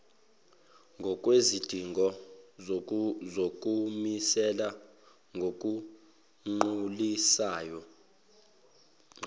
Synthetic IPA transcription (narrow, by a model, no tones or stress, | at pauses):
ŋɡʱɔk̬ʼwezid̥ʱiŋɡʱɔ | zok̬ʼumisɛla | ŋɡʱok̬ʼu | ŋ͡ǃulisaːjɔ